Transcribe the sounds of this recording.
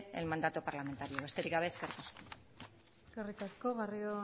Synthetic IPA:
elmand̪at̪upaɾlame̞nt̪aɾio̞est̪e̞ɾiɣaβe̞eske̞rt̪asko | eskerit̪asko̞ɣario

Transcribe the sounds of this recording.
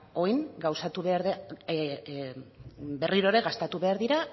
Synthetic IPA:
o̞jŋɡawsat̪uβeaɾð | be̞riɾo̞ɾe̞ɣast̪at̪uβe̞aɾðiɾa

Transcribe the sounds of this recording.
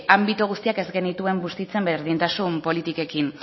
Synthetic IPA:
ambit̪uɣ̞ust̪iake̞zɡe̞nit̪ue̞mbust̪it͡se̞mbeɾðint̪asumpo̞lit̪ike̞kin

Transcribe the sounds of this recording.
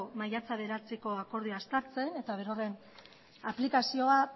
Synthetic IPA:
omajat͡saβe̞ɾat͡seko̞ako̞ɾðiast̪aɾt͡se̞ne̞t̪aβe̞ɾo̞re̞n | aplikasio̞a

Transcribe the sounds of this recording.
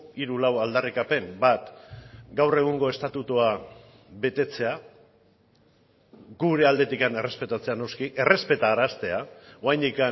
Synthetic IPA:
iɾulawald̪arikape̞mbat̪ɡawre̞ɣ̞uŋɡo̞e̞st̪at̪ut̪ua | βe̞t̪e̞t͡se̞a | ɡuɾe̞ald̪e̞t̪ikane̞re̞spe̞t̪at͡se̞ano̞skiʔe̞re̞spe̞t̪aːɾast̪e̞aoajnd̪ika

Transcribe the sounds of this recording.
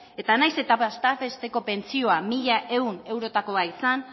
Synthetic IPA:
e̞t̪anajse̞t̪apast̪afe̞st̪e̞ko̞pe̞nt͡sio̞amiʎaʔe̞une̞wɾo̞t̪ako̞aisan

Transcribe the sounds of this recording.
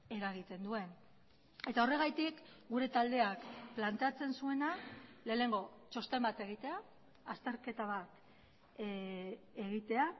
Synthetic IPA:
e̞ɾaɣ̞it̪e̞nd̪ue̞n | e̞t̪ao̞re̞ɣ̞ajt̪ikɡuɾe̞t̪ald̪e̞akplant̪eat͡se̞nsue̞nale̞ːne̞ŋɡo̞t͡ʃo̞st̪e̞mbat̪e̞ɣ̞it̪e̞aː | st̪e̞ɾke̞t̪aβ̞at̪ | eɣit̪e̞a

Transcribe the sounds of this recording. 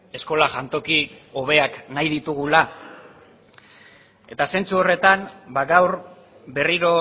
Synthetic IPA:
e̞sko̞laʝant̪o̞kio̞β̞e̞aknajðit̪uɣula | e̞t̪ase̞nt͡suo̞re̞t̪anbaɣawɾ | be̞riɾo̞

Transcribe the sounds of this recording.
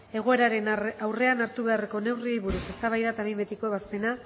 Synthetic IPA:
e̞ɣ̞o̞e̞ɾaɾe̞nawre̞anaɾt̪uβe̞areko̞ne̞wriejβuɾuse̞st̪aβ̞ajðat̪amimbe̞t̪ikoβaspe̞na

